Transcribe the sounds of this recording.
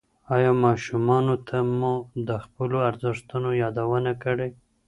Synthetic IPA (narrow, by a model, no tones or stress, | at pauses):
ɑjɑmɑʃumɑnot̪ʰamud̪əxpəloaɾzɪʂt̪unojɑd̪awənakəɽe